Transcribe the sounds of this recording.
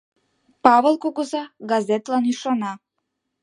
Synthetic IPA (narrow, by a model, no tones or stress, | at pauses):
pavɛlˠkoɡozaɡazɛt̪laniʃɔna